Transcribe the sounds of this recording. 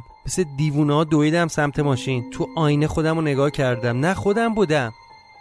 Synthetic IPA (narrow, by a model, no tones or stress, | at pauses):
mesed̪iːvuːnɒːd̪oid̪æmsæmt̪ʰe̞mɒːʃint̪ʰuʔɒːjnexo̞d̪æmone̞ɡɒːhcʰæɾd̪æmnæχo̞d̪æmbuːd̪æm